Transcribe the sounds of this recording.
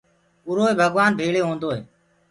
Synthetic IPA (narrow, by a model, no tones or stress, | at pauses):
ʊɾoːeːbʱəɡʋaːnbʱeːɭeːɦõːnd̪oːɦeː